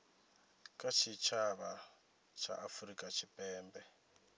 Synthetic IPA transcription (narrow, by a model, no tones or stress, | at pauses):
kʼat͡ʃʰit͡ʃʰaβa | t͡ʃʰa̰ʔafuɾikʼat͡ʃʰipʼɛːmbɛ